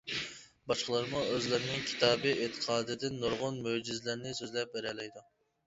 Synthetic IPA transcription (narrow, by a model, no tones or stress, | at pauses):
bɑʃqəlˠɑɾmuøzlɪɾɪnɪŋkʲʰi̥t̪ʰɑːbɨʔet̪ʰːə̥qʰɑːd̪ɪd̪ɪnːoɾʁʊnmød͡ʒizlɪɾnɪsøzlɛp̚bæɾɛlɛjd̪u